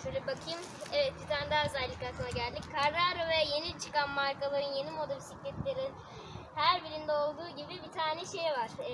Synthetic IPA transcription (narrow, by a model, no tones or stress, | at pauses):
ʃʰøjlʲɛbakʰɯjɯm | evɛt̪̚b̪it̪ʰand̪azælʲːicaɯnaɟælʲd̪ʲickʰaɾːaːɾavɛje̞nit͡ʃʰɯ̥kanmaɾkalˠaɾɯnje̞nimo̞d̪alʲsiclʲɛt̪lʲeɾin | hæɾbiɾind̪ɛo̞lˠd̪uːɟibibit̪ʰaːnɛʃe̞jvaɾ̥